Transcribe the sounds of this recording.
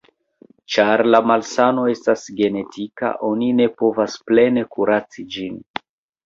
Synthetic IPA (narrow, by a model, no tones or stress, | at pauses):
t͡ʃaɾlamalsano̞e̞stasɡe̞ne̞tʰika̰ʔo̞nine̞po̞vasple̞ne̞kuɾat͡sid͡ʒin